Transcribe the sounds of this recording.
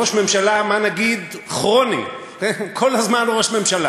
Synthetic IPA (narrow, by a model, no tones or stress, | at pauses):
oʃme̞mʃalamanaɡid̪aχʁo̞nḭ | kenkʰo̞lhazmanloʁoʃme̞mʃala